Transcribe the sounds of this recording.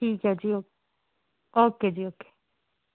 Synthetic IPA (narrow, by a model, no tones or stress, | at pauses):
ʈʰiːkɦɛd͡ʒioː | oːked͡ʒiːoːke̥ː